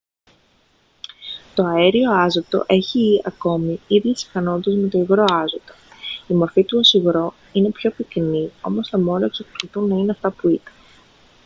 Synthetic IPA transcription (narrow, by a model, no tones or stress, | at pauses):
t̪o̞ɐe̞ɾio̞ɐzot̪o̞̰ʔe̞çiɐko̞miiðjisi̥fɐno̞t̪it̪ezme̞t̪o̞iɣɾo̞ɐzot̪oimo̞ɾfit̪uosiɣɾo̞ | ine̞pço̞piknio̞̰mo̞st̪ɐmo̞nloeksɐkoliθunːɐineɐft̪ɐpuit̪ɐ̥n